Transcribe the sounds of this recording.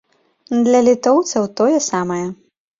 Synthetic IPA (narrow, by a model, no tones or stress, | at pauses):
d̪lʲɐlʲit̪ɔwt̪sʲɐwt̪ɔjɛsamɐjɛ